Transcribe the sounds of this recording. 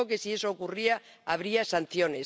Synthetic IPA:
oke̞sie̞soːkuria | aβ̞ɾiasan̟θjones

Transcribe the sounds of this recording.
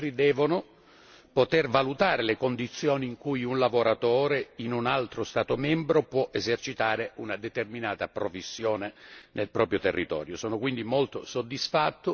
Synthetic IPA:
ɾid̪ɛːvonʊ | pot̪ervalut̪aːɾelekond̪it̪sːjoːniːŋkujunlavoɾat̪oːɾeinunalt̪ɾost̪aːt̪omɛmbɾopwɔʔezert͡ʃit̪aːɾeunad̪et̪erminaːt̪apɾofisːjoːnenelpɾɔːpɾjot̪erːit̪ɔ̰ːɾjosɔːnokwind̪imolt̪osod̪ːisfat̪ːʊ

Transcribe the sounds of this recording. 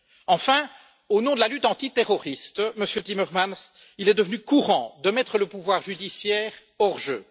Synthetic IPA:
ɑ̃fɛ̃ | onɔ̃d̪əlalyt̪ɑ̃t̪it̪eʁɔʁist̪məsjøt̪imœʁmans | ilɛd̪əvənykuʁɑ̰̃d̪əmɛt̪χələpuvwaʁʒyd̪isjɛːʁ | ɔʁʒø̰

